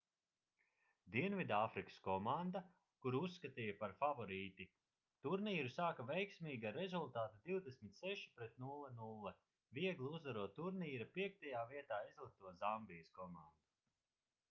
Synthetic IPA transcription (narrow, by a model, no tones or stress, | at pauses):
d̪iɛnvid̪aafɾikə̥skɔmand̪a | kuɾusːkat̪iːjɐpaɾfavɔɾiːt̪i | t̪uɾniːɾusaːkavɛjksmʲiːɡaɾezulˠt̪aːt̪ad̪iwd̪esmʲit̪ʲsɛʃi̥pɾɛt̪nulˠɛnulˠːɛ | viɛɡlˠiuzvaɾuɔt̪uɾniːɾapiɛk̚t̪ajaːviɛt̪aːizlˠik̚t̪uɔzambijəskɔmand̪̥u